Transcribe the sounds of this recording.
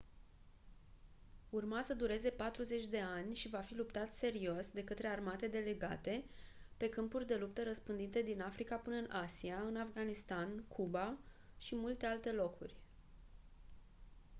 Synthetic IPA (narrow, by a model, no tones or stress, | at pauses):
urmasəd̪uɾe̞ze̞pat̪ɾuze̞t͡ʃʲd̪e̞anʲʃivafilupt̪at̪se̞ɾiosd̪e̞kət̪ɾe̞armat̪e̞d̪e̞le̞ɡa̰t̪e̞ | pe̞kɨmpurʲd̪e̞lup̚t̪əɾəspɨnd̪int̪e̞d̪inafɾikapɨnəɨnʔasiaɨnafɡanist̪ankʰuba | ʃimult̪e̞alt̪e̞lo̞kṵrʲ